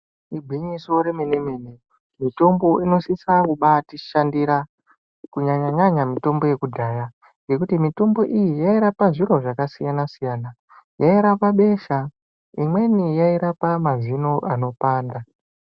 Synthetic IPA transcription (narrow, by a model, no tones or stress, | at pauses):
ibʱiɲisoɾemenemene | mito̞mbo̞ino̞sisakuɓatiʃandiɾa | kuɲaɲaɲaɲamito̞mbo̞je̞kudʱaːja | jɡe̞kutimito̞mbo̞ʔijijaiɾapaʐiro̞ʐakasijanasijaːna | jaiɾapaɓe̞ʃa | imwe̞nijaiɾapamazino̞ʔano̞paːnda